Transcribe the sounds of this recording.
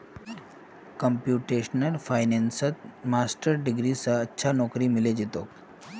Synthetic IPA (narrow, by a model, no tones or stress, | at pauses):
kəmpjuʈeɕnəlfajnensət̪̚masʈəɾɖiɡɾisaətːɕʰanɔkɾiːmiled͡ʑet̪o